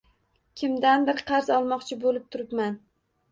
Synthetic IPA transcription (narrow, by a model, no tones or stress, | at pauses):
kʲʰɪmd̪anbɪɾqʰɑɾzɒlˠmɒqt͡ʃʰɪbolɪp̚t̪ʰʊɾɪpman